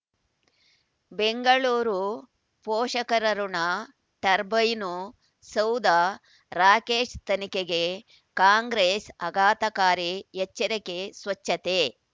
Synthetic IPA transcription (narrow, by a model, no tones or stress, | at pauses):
beŋɡɐɭuːɾu | pɔːʃɐkɐɾɐɾunɐ | ʈɐɾbɐjnu | sɐwd̪a | ɾaːkeːʂt̪ɐnikeɡe | kaːŋɡɾeːsɐɡaːt̪ɐkaːɾijɛt͡ʃːɐɾekesʋɐt͡ʃːɐt̪e